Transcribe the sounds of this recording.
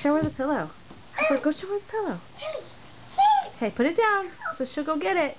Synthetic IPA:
ʃoʊə˞ðɨpʰɪlˠoʊ | ɡoɡoʊʃoʊə˞ðəpʰɪlˠoʊ | okʰeɪpʰʊɾɨt̚d̥ãʊ̃nsoʊʃʊɡolˠɡɛɾɪt̚

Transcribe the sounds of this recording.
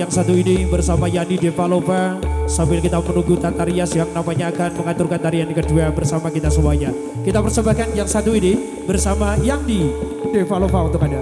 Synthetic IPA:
jaŋsat̪uinibərsamajadidefalopasambɪlkit̪amənuɡut̪at̪aɾiasjaŋnampaɲaːkanməŋat̪ʊrkant̪aɾianikəduabərsamakit̪asəbuaɲa | kit̪apərsəbahkanjaŋsat̪uini | bərsamajaŋdi | defalopaunt̪ʊkada

